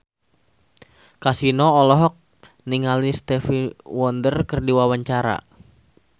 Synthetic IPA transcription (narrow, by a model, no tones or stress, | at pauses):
kasinɔːlɔɦɔk̚ | niŋalist̪ɛfiwɔndərkərdiwawaɲt͡ʃaɾa̰